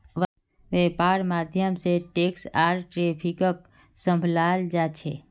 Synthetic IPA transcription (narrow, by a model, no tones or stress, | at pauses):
ʋ | ʋepaːɾmad̪ʱjəmseʈeksaːɾʈɾepʰikək | sə̃mbʱlald͡ʒat͡ʃʰḛ